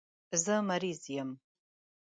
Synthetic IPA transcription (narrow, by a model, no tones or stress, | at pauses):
zɐmɐɾiːzjɛm